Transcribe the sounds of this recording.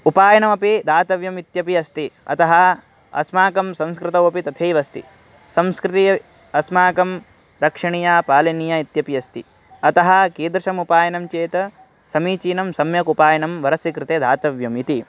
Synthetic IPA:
upaːjɐnɐmɐpid̪ʱaːt̪ɐʋjɐmit̪jɐpiɐst̪iɐ̰t̪ɐɦɐ | ɐ̰smaːkɐmsɐ̃mskɾɪt̪ɐwɐpit̪ɐt̪ʰeːʋɐst̪ḭ | sɐ̃mskɾɪt̪i | ɐsmaːkɐm | ɾɐkʂɐɳijaːpaːlɐnijait̪jɐpijɐst̪i | ɐt̪ɐɦɐ̆keːd̪ɾɐʂɐmupaːjɐnɐmt͡ʃeːt̪ɐ | sɐmiːt͡ʃiːnɐmsɐmjɐkupaːjɐnɐmʋɐɾɐsikɾɪt̪eːd̪ʱaːt̪ɐʋjɐmit̪i

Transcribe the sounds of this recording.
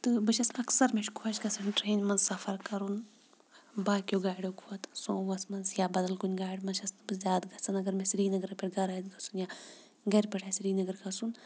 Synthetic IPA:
t̪ɨbɨʃɐsɐksɐɾmeʃkʰoʃɡɐsɐnʈɾeːnʲmɐnzsɐfɐɾkɐɾun | baːkjoːɡaːɽʲokʰɐt̪sõːʋɐsmɐnzjaːbɐd̪ɐlkunʲɡaːɽʲmɐnʃɐst̪bɨzʲaːd̪ɡɐsɐnɐɡɐɾmesɾiːnɐɡɐɾɐpʲeʈɡɐɾɐd̪ɡɐsunjaː | ɡɐɾʲpʲɛʈʰaːsɾiːnɐɡɐɾɡɐsun

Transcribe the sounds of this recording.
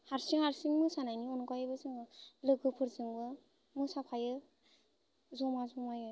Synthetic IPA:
haɾsiŋhaɾsiŋmɯsanajniɔnkajabɯsɯŋɯlɯɡɯpʰɯɾzɯŋbɯ | mɯsapʰajɯ | zɔmazɔmajɯ

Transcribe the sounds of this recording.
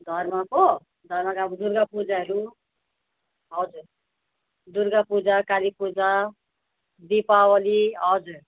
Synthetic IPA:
d̪ʱʌrmako | d̪ʱʌrmakabud̪uɾɡapud͡zaɦʌɾu | ɦʌd͡zur | d̪uɾɡapud͡zakalipud͡za | d̪ipawʌliɦʌd͡zur

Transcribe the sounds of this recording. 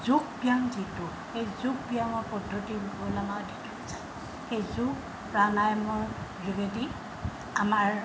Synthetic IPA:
zuɡ̚bijaŋzitʊ | xejzuɡ̚biaŋɔɹpɔdʱːotiɡlamaditɔzaj | xejzuk | pɹanajɔmɔɹɹiɡeti | amaɹ

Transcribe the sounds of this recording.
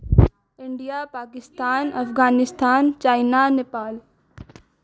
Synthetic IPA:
ɪ̃ɳɖijapaːkɪst̪aːnɐfɣaːnɪst̪ʰaːnt͡ʃaːɪnanepaːl

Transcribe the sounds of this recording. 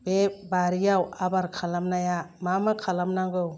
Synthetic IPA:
bebaɾijawabaɾkʰalamnajamamakʰalamnaŋɡɯw

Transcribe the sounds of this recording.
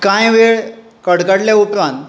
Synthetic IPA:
kãjʋeɭ | kəɽkaɽljaupɾãnt̪

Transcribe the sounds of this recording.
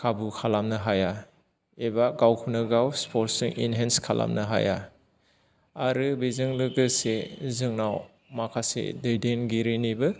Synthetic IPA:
kʰabukʰalamnɯɦaja | ebaɡawkʰunɯɡawspʰoɾtsɯŋʔḭnɦenskʰala̰mnɯɦa̰ja̰ | aɾɯbizɯŋlɯɡɯsezɯŋnaw | makʰasḛdɯjdenɡiɾinibɯ

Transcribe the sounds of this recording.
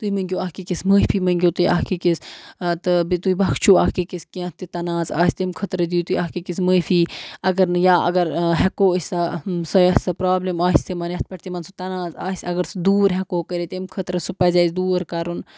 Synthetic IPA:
t̪uimɐŋɡʲoaːkikisməːpʰiːmɐŋɡʲot̪uiʔaɦkikist̪ɨbit̪uibɐkʰt͡ʃʰuahkikiskiɐ̃t̪̚ːit̪ɐnaːza̰ːsʲt̪emkʰɐt̪ɾɐd̪iːut̪uiaːkikisməːfʰiːɐɡɐɾnɨjaːɐ̰ɡɐɾɦɛkoːəsʲsɐsɐjɐsɐpɾaːblimaːisʲt̪imɐnjɐt̪̚pɐʈt̪imɐnsut̪ɐnaːzaːsʲɐɡɐɾsd̪uːɾɦɛkoːkəɾet̪emkʰɐt̪ɾɐsupɐzʲɐsʲd̪uːɾkɐɾun

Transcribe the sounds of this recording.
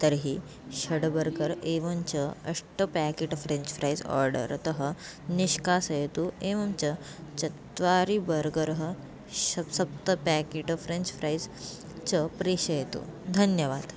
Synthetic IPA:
t̪əɾɦiː | ɕɐɽbəɾɡəɾeʋənt͡ɕəɐʂʈəpækeʈfɾẽɲt͡ɕfʰɾajd͡zɔ̰ɾɖə̰ɾt̪əɦə | niɕkasjet̪ueʋɐmt͡ɕə | t͡ɕɐt̪ʋaɾibəɾɡəɾɦə | ɕɐsɐp̚t̪əpækeʈfɾẽnt͡ɕfʰɾajd͡z | t͡ɕəpɾeɕɐjet̪ṵːd̪ʱɐnjɐʋaːd̪

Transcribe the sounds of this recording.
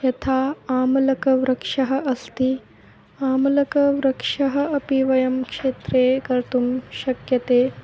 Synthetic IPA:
jɐt̪ʰaːaːmɐlɐkɐʋɾɐkʂɐɦɐ̆ʔɐst̪i | aːmɐlɐkɐʋɾɐkʂɐɦɐɐpiʋɐjɐmkʂeːt̪ɾeːkɐɾt̪umʃɐkjɐt̪eː

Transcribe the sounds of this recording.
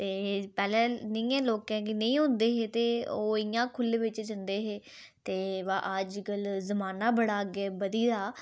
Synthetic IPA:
t̪eːpɛːlɛ̃ːnəĩːɛ̃ːloːkɛ̃ːkinəĩːɦʊ̃ːnd̪eːɦeːt̪eːoːɪjãːkʰʊlʋɪt͡ʃd͡ʒənd̪eːɦeː | t̪eːʋaːʔəd͡ʒkəlzəmaːnaːbəɽaːɡeːbəd̪iːɾaː

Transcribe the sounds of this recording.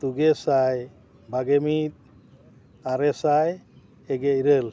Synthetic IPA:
t̪uɡɛsaj | bʱaɡɛmit̪̚ | aɾɛsaj | ɛɡɛiɾəl

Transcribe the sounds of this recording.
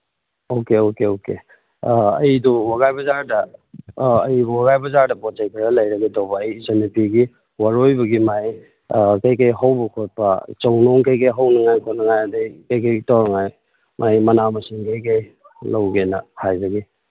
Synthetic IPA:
okeokeoke | ɐ̰jduwaɡajbɐzaɾdɐ | ɐjbuwaɡajbɐzaɾdɐpɔtt͡ʃajkʰiɾɐlɐjɾɐɡɐtawbɐːjzɐnipiɡi | waɾojbɐɡimaj | kɐjkɐjɦawbɐkʰot̚pɐ̰t͡ʃɐwnoŋkɐjkajɦawnɐŋajkʰot̚nɐŋajadajkɐjkajtawɾɐŋaj | mʔajmɐnamɐsiŋkɐjkaj | lawɡenɐhajbɐɡi

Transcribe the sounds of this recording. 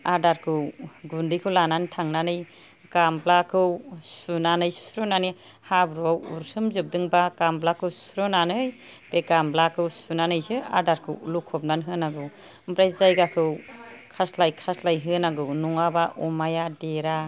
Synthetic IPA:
aɾdaɾkʰɯwɡundikʰɯwlanantʰaŋnanɯj | kamblakʰɯwsunanɯjsu̥sɾɯnani | habɾawṵɾsɯmzɯp̚dɯŋbakamblakʰɯwsu̥sɾɯnanɯj | b̥ekamblakʰɯwsunanɯjsɯa̰ɾdaɾkʰɯwlukʰɔp̚nanɦɯnaɡɯw | mbɾajzajɡakʰɯwkʰaslajkʰaslajɦɯnaɡɯwnɔŋabaʔɔmajadeɾa

